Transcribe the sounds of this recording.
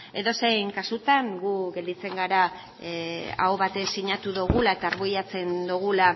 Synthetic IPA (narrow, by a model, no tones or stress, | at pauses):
e̞ðo̞sejŋkasut̪aŋɡuɡe̞ld̪it͡se̞ŋɡaɾa | a̰oβat̪esiɲat̪uðuɣulae̞t̪aːɾβujat͡se̞nd̪uɣ̞ula